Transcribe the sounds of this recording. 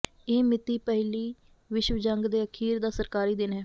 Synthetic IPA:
eːmɪt̪iːpɛɦliː | ʋɪʃʋəd͡ʒəŋɡd̪eːəkʰiːɾd̪aːsəɾkaːɾiːd̪ɪnɦɛː

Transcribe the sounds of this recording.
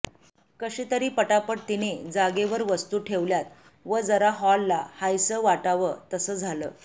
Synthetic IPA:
kəɕiːt̪əɾiːpəʈapəʈ̚t̪ined͡zaɡeʋəɾʋəst̪uːʈʰeʋljat̪̚ | ʋəd͡zəɾaɦɔlːa̰hajsəʋaʈaʋət̪əsəːd͡zʱalə̰ː

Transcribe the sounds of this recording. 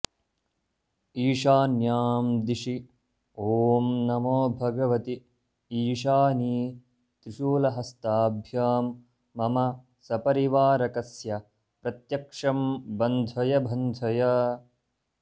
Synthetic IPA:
iːʃaːnjaːmd̪iʃi | oːmnɐmoːbʱɐɡɐʋɐt̪i | iːʃaːniː | t̪ɾiʃuːlɐɦɐst̪aːbʱjaːmː | ɐmɐ | sɐpɐɾiʋaːɾɐkɐsjɐ | pɾɐt̪jɐkʂɐmbɐnd̪ʱɐjɐbʱɐnd̪ʱɐjɐ

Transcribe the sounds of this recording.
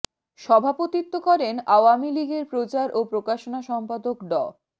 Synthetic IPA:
ʃɔbʱapot̪it̪ːokɔɾenaoamiliɡeɾpɾot͡ɕaɾopɾokaʃonaʃɔmpad̪okɖɔ

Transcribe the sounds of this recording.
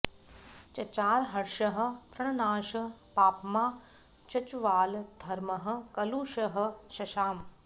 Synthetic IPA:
t͡ʃɐt͡ʃaːɾɦɐɾʃɐɦə̆pɾɐɳɐnaːʃɐpaːpmaː | t͡ʃɐt͡ʃuʋaːld̪ʱɐɾmɐɦɐ̆kɐluːʃɐɦɐ̆ʃɐʃaːm

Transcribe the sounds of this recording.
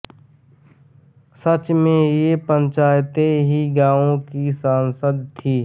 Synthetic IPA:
sət͡ʃmẽjepə̃ɲt͡ʃaːjt̪eɦiɡãːõkisaːnsəd̪t̪ʰiː

